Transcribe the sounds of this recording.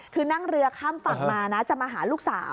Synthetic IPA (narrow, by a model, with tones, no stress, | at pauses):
kʰɯː˧na˥˩ŋɾɯ˧ɐkʰaː˥˩mfa˨˩ŋmaː˧na˦˥t͡ɕa˨˩maː˧ɦaː˩˦luː˥˩k̚saː˩˦w